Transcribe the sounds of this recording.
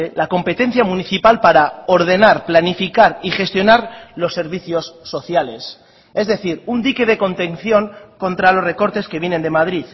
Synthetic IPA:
lako̞mpe̞t̪e̞n̟θjamũniθipalpaɾao̞ɾð̞e̞naɾplanifikaɾixe̞st̪jo̞naɾlo̞sːe̞ɾβiθjo̞sːo̞θjale̞s | e̞zðe̞θiɾund̪ike̞ð̞e̞ko̞nt̪e̞nθjo̞ŋko̞nt̪ɾalo̞sre̞ko̞ɾt̪e̞ske̞βje̞ne̞nd̪e̞mað̞ɾið

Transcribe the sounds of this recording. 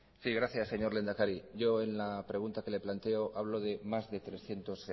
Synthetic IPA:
siɣ̞ɾaθjasːe̞ɲo̞ɾle̞nd̪akaɾiʝo̞e̞nlapɾe̞ɣ̞unt̪ake̞le̞plant̪e̞oʔaβlo̞ðe̞mazðe̞t̪ɾe̞sθje̞nt̪o̞s

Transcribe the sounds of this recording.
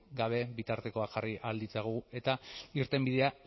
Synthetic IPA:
ɡaβ̞e̞bit̪aɾt̪e̞ko̞axʝariʔald̪it͡saɣue̞t̪aiɾt̪e̞mbiðe̞a

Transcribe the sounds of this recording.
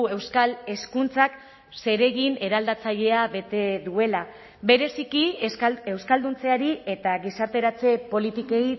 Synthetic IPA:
e̞wskale̞skunt͡sak | se̞ɾe̞ɣine̞ɾald̪at͡saʎe̞aβe̞t̪e̞ðue̞la | be̞ɾe̞sikie̞wskald̪unt͡se̞aɾie̞t̪aɣisaɾt̪e̞ɾat͡se̞po̞lit̪ike̞j

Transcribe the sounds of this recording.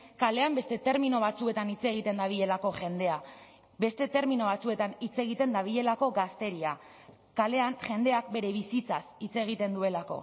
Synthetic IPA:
kale̞ambe̞st̪e̞t̪e̞ɾminoβ̞at͡sue̞t̪anit͡se̞ɣ̞it̪e̞nd̪aβ̞iʎe̞lako̞ʝe̞nd̪e̞a | be̞st̪e̞t̪e̞ɾmino̞β̞at͡sue̞t̪anit͡se̞ɣ̞it̪e̞nd̪aβ̞iʎe̞lako̞ɡast̪e̞ɾia | kale̞anʝe̞nd̪e̞ak̚be̞ɾe̞β̞isit͡sasit͡se̞ɣ̞it̪e̞nd̪ue̞lako̞̰

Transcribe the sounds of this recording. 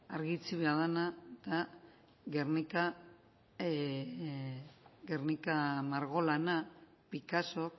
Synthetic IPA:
aɾɣit͡siβeað̞anat̪a | ɣernika | ɣernikamaɾɣo̞lana | pikaso̞k

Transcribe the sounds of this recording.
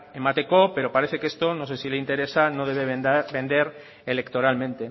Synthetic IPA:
emat̪e̞ko̞pe̞ɾopaɾeθe̞kest̪o̞nose̞sileint̪e̞ɾe̞sanoðeβebẽ̞nd̪e̞ɾ | ele̞kt̪o̞ɾalmẽnt̪e̞

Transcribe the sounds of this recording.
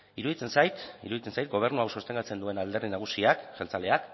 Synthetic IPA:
iɾuðit͡se̞nsajt̪ḭɾuðit͡se̞nsajt̪̚ɡo̞β̞e̞ɾnuawsost̪e̞ŋɡat͡se̞nd̪ue̞nald̪erðinaɣ̞usiaksalt͡sale̞ak

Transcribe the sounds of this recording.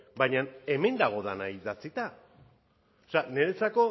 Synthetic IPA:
bajɲane̞me̞nd̪aɣ̞o̞ðanaiðat͡sit̪a | osane̞ɾe̞t͡sako̞

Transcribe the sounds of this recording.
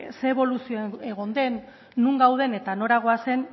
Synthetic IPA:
seːβo̞lusioeɣ̞o̞nd̪e̞nː | uŋɡawð̞e̞ne̞t̪ano̞ɾaɣ̞o̞ase̞n

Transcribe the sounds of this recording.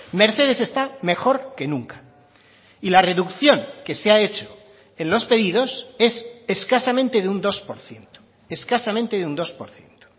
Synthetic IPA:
me̞ɾθe̞ð̞e̞se̞st̪ame̞xo̞ɾke̞nũŋkḁ | ilare̞ðukθjo̞ŋke̞seae̞t͡ʃo̞̥ | e̞nlo̞spe̞ðiðo̞se̞se̞skasamẽnt̪e̞ðeund̪o̞spo̞ɾθje̞nt̪o̥ | e̞skasamẽnt̪e̞ðeund̪o̞spoɾθje̞nt̪o̥

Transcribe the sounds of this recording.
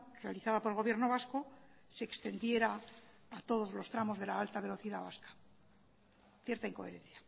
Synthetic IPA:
realiθað̞apo̞ɾelɣoβje̞ɾno̞β̞asko̞ | se̞ːkst̪e̞nd̪je̞ɾaː | t̪o̞ð̞o̞zlo̞st̪ɾamo̞zðe̞laalt̪aβ̞e̞lo̞θiðaβa̰skḁ | θjeɾt̪aiŋko̞e̞ɾẽ̞nθjḁ

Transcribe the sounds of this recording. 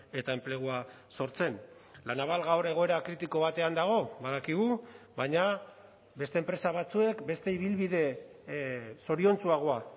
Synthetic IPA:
e̞t̪aemple̞ɣ̞ua | so̞ɾt͡se̞nlanaβalɣawɾe̞ɣo̞e̞ɾakɾit̪iko̞βat̪e̞and̪aɣ̞o̞βaðakiɣ̞u | βaɲa | be̞st̪eːmpɾe̞saβat͡sue̞kbe̞st̪e̞iβ̞ilβiðe̞ | so̞ɾio̞nt͡suaɣ̞o̞a

